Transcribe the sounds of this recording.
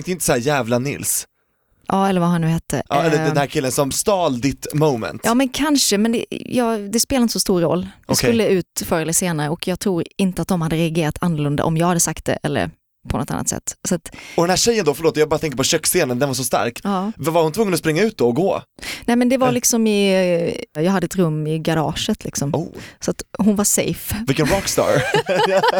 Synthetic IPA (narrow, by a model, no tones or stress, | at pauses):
ŋk̚t̪əɪnt̪ə̥sɔhæːɾjæːvlanɪ̰ls | ʔɑːɛlːəɾvahannʉɦɛt̪ʰːə̰ʔɑ̰ɛlːəd̪ɛnhæːɾkʰɪlːənsɔmst̪ɑːld̪ɪt̪mɔmɛ̰nt̪ːmɛnkʰanʂəmɛnd̪ɛ̰jɑːɡd̪ɛspeːlaɪnt̪əsɔst̪uːɾɔ̰lːd̪ɛsklːəʉ̟ːt̪fœɾɛlːəseːnaɾəɔkʰjɑːɡ̚t̪ʰɾuːɾɪnt̪əat̪̚d̪ɔmhad̪ːəɾɛaɡeːɾat̪ʰanːəɾlɵnd̪a̰ʔɔmjɑːɡhad̪ːəsakt̪̚d̪ɛ̰ʔɛ̰lːə̰ɾ | pʰɔnɔ̰t̪ːa̰nːat̪sɛ̰t̪ːsɔat̪ɔd̪ɛnæːɕɛjːənd̪oːfœɾloːt̪jɑːbɑːɾat̪ɛŋkəɾpʰɔɕœkːseːnənd̪ɛnvaɾʂ̬ɔst̪a̰ɾkɑːvvaɾhʊnt̪ʰvɵŋːənɔspɾɪŋːaʉ̟ːt̪̚d̪ɔɔɡoːnɛːmɛnd̪ɛvaɾlɪksɔmɪ | jɑːɦad̪ːəɛt̪ɾɵmːɪɡaɾɑ̰ːʂət̪ʰlɪksɔmsɔat̪ɦʊnvaʂɛ̰jfvɪkənɾɑkst̪ɑ̰ːɾ